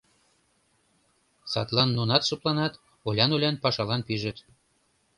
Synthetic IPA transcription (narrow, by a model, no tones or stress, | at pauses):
sɑ̰t̪lˠɑnːunɑt̪ʃŏplˠɑnɑt̪ | olʲɑnulʲɑnpɑʃɑlɑnpiʒɘ̆t̪